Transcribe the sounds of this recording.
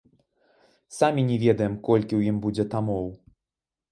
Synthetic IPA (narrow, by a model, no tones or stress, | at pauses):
samʲinʲɛvʲɛd̪ɐjɛmkɔlʲkʲiwjimbud͡zʲɛt̪amɔw